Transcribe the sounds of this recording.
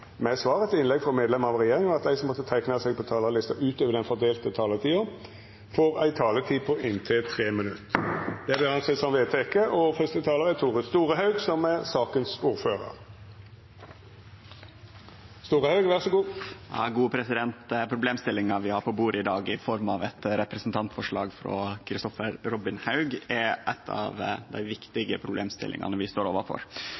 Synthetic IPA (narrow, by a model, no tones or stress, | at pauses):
mɛsʋɑːʁəɛt̪ɪnlɛɡfɾɔmeːd̪lɛməɑʋɾɛjeːʁɪŋɑt̪̚d̪æɪsɔmːɔt̪ːət̪ʰæɪknɑsɛːɡ̚pʰɔt̪ʰɑːlɑlɪst̪ɑʔʉːt̪øːʋəʁd̪ɛnfɔʁd̪eːlt̪ət̪ʰɑːlət̪ʰiːo | foːɾæ̰ɪt̪ʰɑːlət̪ʰiːpʰɔʔɪnt̪ʰet̪ʰʁeːmɪnʉt̪d̪̥ɛæd̪ɛɑnsɛt̪sɔmʋeːt̪ʰekəʔɔfœst̪ət̪ʰɑːləʁɛt̪ʰuːʁəst̪uːɾəɦɑʉɡsɔmɛɾsɑːkənsuːɾføːɾə̰ɾ | st̪uːʁəhɑʉɡʋæʁsɔɡuːjɑ̰ːɡuːəpʰɾɛsɪd̪ɛnt̪pʰɾʊbleːmst̪ɪlːɪŋɑʋɪhɑɾpʰɔbuːɾəɪd̪ɑːɡɪfɔɾmɑʋɛt̪ɾɛpɾɛsnt̪ʰɑnt̪fɔʂɭɑ̰ːɡfɾo̰kʰɾɪst̪ɔfəɾɾɔbɪnhɑʉɡɛɾʔɛt̪ʰɑ̰ʋd̪æ̰ɪʋɪkt̪ɪɡəpʰɾʊbleːmst̪ɪ̰lʔɪ̰ŋʔɑ̰nəʋɪst̪oːɾoːʋəɾfɔ̰ɾ